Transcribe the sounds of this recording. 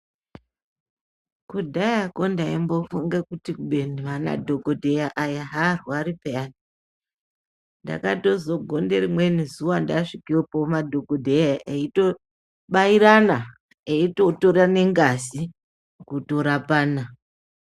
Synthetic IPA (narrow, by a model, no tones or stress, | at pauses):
kudʱajako̞ndaimbo̞fuŋɡekutikuɓe̞niʋana̰dʱo̞ɡodʱejaʔajaɦarwaɾipeani | nda̰kato̞zo̞ɡʱo̞nde̞rimwe̞nizuwandaʂikiwepomadʱoɡodʱejaʔeito | ɓaiɾana | eito̞to̞ɾane̞ŋɡasi | kuto̞ɾapaːna